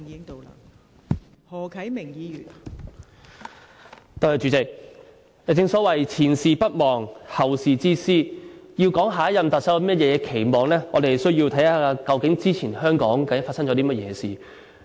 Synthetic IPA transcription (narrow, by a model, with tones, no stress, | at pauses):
iː˨˧ɪ˥ŋt̪o˨˧wla˧ | hɔː˨˩kʰɐ˨˥jmɪ˨˩ŋjiː˨˧jyː˨˩n | t̪o˧hɐ˨˧t͡ʃyː˨˧˥t͡sɪ˨k̚ | jɐ˨˧˩t͡sɪ˧ŋsɔː˨˥wɐ˨˩jt͡sʰiː˨˩nsiː˨pɐ˥t̚mɔː˨˩ŋhɐ˨˩wsiː˨t͡siː˥siː˥ji˧wkɔː˨˥ŋɦaː˨˥jɐ˨mt̪ɐ˨t̚sɐ˨˥wi˥mɐ˥t̚jɛː˨˧kɛ˧kʰe˨˩jmɔː˨ŋlɛː˥ŋɔ̰ː˨˧d̪e˨˩jsɵ˥ɥjiː˧wt̪ʰjhaː˨˧aː˧kɐ˧wkɪ˨˥ŋt͡siː˥t͡sʰiː˨˩nhœː˥ŋkɔː˨˥ŋkɐ˧ɪ˥fa˧t̚sɐ˥ŋt͡ʃɔ˨˥t̪iː˥mɐ˥jɛː˨˧siː˨˩